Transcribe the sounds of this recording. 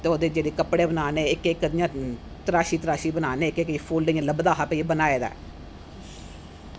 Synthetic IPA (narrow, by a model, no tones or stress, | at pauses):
t̪eːoːd̪eːd͡ʒeːɽeːkəpɽeːbənaːneːɪkːkːəd̪ijãː | t̪əɾaːʃiːt̪əɾaːʃiːbənaːneːɪkːekːipʰuːldəiãːləbd̪aːɦapeibənaːeːd̪a̰ː